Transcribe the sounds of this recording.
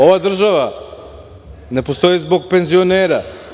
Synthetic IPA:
o̞ʋad̪r̩ʒaʋa | ne̞po̞st̪o̞jizbo̞ɡ̚pe̞nzioneːɾa

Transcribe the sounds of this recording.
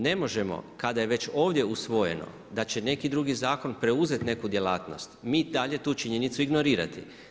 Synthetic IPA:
ne̞mo̞ʒe̞mo̞̰kad̪ajeʋe̞t͡ʃo̞ːʋd̪je̞usʋo̞je̞̰no̞̰ | d̪at͡ɕe̞ne̞kid̪ɾuɡizaːko̞npɾe̞uze̞t̪ne̞kud̪je̞lˠaːt̪no̞st̪miːd̪aʎe̞t̪uːt͡ʃiɲe̞nit̪suiɡno̞ɾiːɾa̰t̪ḭ

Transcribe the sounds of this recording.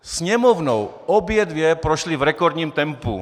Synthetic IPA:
sɲɛmɔwnɔw | ɔbjɛd̪ʋɪjɛpɾɔʃlivɾɛkɔɾd̪ɲiːmt̪ɛmpṵ

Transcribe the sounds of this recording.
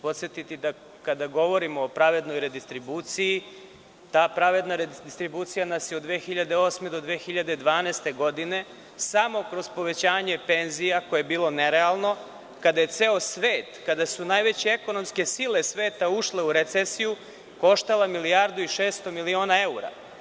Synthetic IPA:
po̞t̪sjet̪it̪id̪a | kad̪aɡo̞ʋo̞ɾimoːpɾaʋe̞d̪no̞jɾed̪ist̪ɾibut̪siji | t̪aːpɾaʋe̞d̪naɾed̪ist̪ɾibuːt̪sijanasjeod̪d̪ʋeːxiʎad̪e̞o̞ːsmed̪o̞d̪ʋeːxiʎad̪e̞d̪ʋaːneːst̪e̞ɡo̞d̪ine̞ | samo̞kɾo̞zpo̞ʋe̞t͡ɕaːɲe̞pe̞nzijako̞jebiːlˠo̞neɾe̞alˠno̞ | kad̪aje̞t̪se̞o̞sʋeːt̪kad̪asunajʋe̞t͡ɕeeko̞no̞mske̞sile̞sʋe̞ːt̪auʃle̞uɾet̪sesiju | ko̞ʃt̪alamilijaɾd̪uiʃe̞ːst̪o̞milio̞ːnae̞uɾa̰

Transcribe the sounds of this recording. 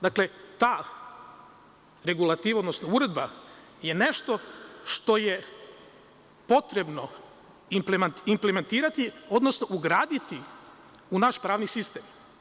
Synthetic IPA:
d̪akle̞t̪aː | ɾe̞ɡulˠat̪iːʋao̞d̪nosnouɾe̞d̪ba | jene̞ʃt̪o̞ʃt̪o̞je | po̞t̪ɾe̞bno̞ | implemt̪impleme̞nt̪iːɾat̪io̞d̪nosnoʔuɡɾaːd̪it̪i | unaʃpɾaːʋnisist̪em

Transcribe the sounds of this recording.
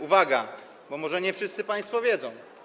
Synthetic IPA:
uvaɡa̰ | bɔmɔʐɛɲɛfʂɘst̪sɘpaj̃st̪fɔvʲjɛd̪zɔ̃w̃

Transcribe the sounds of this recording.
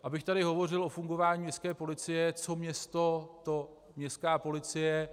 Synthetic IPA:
ʔabɪxt̪aɾɪɦo̞vo̞r̝ɪlʔo̞fuŋɡo̞vaːɲiːmɲɛskɛːpo̞lɪt͡sɪjɛt͡so̞mɲɛst̪o̞t̪o | mɲɛskaːpo̞lɪt͡sɪjɛ

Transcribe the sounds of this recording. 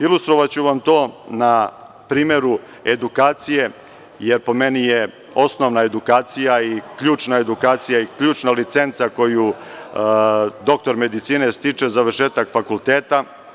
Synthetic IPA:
ilˠust̪ɾoʋat͡ɕuʋamt̪o̞ːna | pɾiːme̞ɾu | e̞d̪ukaːt̪sije̞ | jeɾpo̞me̞nije | o̞snoʋnae̞d̪ukaːt̪sijaikʎuːt͡ʃnae̞d̪ukaːt̪sijaikʎuːt͡ʃnalit̪se̞nt̪sako̞ju | d̪o̞k̚t̪o̞ɾme̞d̪it̪siːne̞st̪it͡ʂe̞zaʋərʃeːt̪akfakulˠt̪eːt̪a

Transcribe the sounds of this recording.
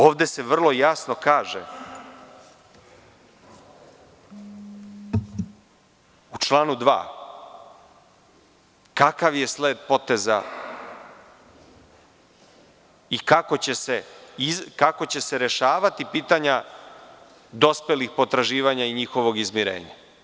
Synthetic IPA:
oːʋd̪e̞se̞ʋr̩lˠo̞jasno̞kaːʒḛ | ut͡ʃlˠaːnud̪ʋa̰ː | kakaʋje̞sleːd̪po̞t̪e̞za̰ | ikako̞t͡ɕe̞se̞izkako̞t͡ɕe̞se̞ɾe̞ʃaːʋat̪ipiːt̪aɲa | d̪o̞spelixpo̞t̪ɾaʒiːʋaɲaiɲixo̞ʋo̞ɡizmiɾḛːɲa̰

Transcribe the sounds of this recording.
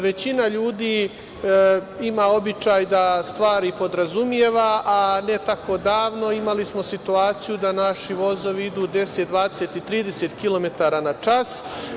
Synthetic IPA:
ʋe̞t͡ɕinaʎuːd̪iː | imao̞bit͡ʃaːjd̪ast̪ʋaːɾipo̞d̪ɾazumje̞ːʋaʔane̞t̪ako̞d̪aːʋno̞imalismo̞sit̪uaːt̪sijud̪anaʃiʋo̞zo̞ʋiid̪uːd̪e̞set̪̚d̪ʋaːd̪eset̪it̪ɾiːd̪e̞set̪kilo̞me̞t̪aɾanat͡ʃas

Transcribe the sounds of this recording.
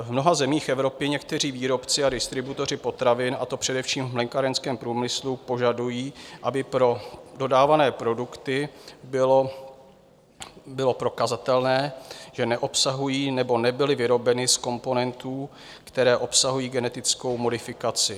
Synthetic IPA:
vmno̞ɦazɛmiːxʔɛvɾo̞pɪɲɛkt̪ɛr̝iːviːɾo̞pt͡sɪadɪst̪ɾɪbut̪o̞r̝ɪpo̞t̪ɾavɪnʔa̰t̪o̞pr̝̥ɛdɛfʃiːmvmlɛŋkaɾɛnskɛːmpɾuːmɪslupo̞ʒadujiːʔabɪpɾo̞do̞daːvanɛːpɾo̞dukt̪ɪbɪlo | bɪlo̞pɾo̞kazat̪ɛlnɛːʒ̥ɛnɛʔo̞psaɦujiːnɛbo̞nɛbɪlɪvɪɾo̞bɛnɪsko̞mpo̞nɛnt̪uː | kt̪ɛɾɛːʔo̞psaɦujiːɡɛnɛt̪ɪt͡sko̞wmo̞dɪfɪkat͡sɪ

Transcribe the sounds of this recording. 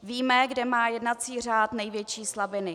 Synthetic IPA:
viːmɛɡdɛmaːjɛdnat͡siːr̝aːt̪nɛjvjɛt͡ʃiːslabɪnɪ

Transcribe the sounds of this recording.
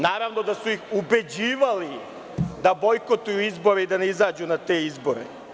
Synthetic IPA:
naːɾaʋno̞d̪asuixube̞d͡ʑiːʋali | d̪abo̞jko̞t̪ujuizbo̞ɾe̞id̪aneizaːd͡ʑunat̪e̞izbo̞ɾḛ

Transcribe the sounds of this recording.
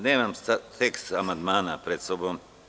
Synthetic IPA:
neːmamsat̪eksamand̪maːna̰pɾet̪sobom

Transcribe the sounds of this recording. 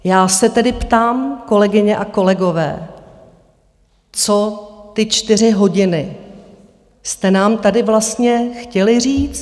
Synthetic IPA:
jaːsɛt̪ɛdɪpt̪aːmko̞lɛɡɪɲɛʔako̞lɛɡo̞vɛ̰ː | t͡so̞t̪ɪt͡ʃt̪ɪr̝ɪɦo̞ɟɪnɪ | st̪ɛnaːmt̪adɪvlast̪ɲɛxcɛlɪriːt͡s̪

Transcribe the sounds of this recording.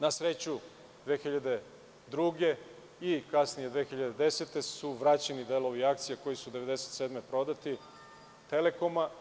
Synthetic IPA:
nasɾe̞t͡ɕu | d̪ʋe̞ːxiʎad̪e̞ | d̪ɾuɡe̞ | ikasnije̞d̪ʋe̞ːxiʎad̪e̞d̪e̞set̪e̞suʋɾat͡ɕenid̪e̞lo̞ʋiakt̪sijako̞jisud̪e̞ʋe̞d̪eset̪sed̪me̞pɾo̞d̪at̪i | t̪e̞le̞ko̞ma

